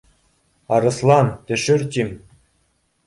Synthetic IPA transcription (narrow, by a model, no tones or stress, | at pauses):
ɑɾɤ̆slˠɑnt̪ʲɘ̆ʃɘ̆rt̪ʲim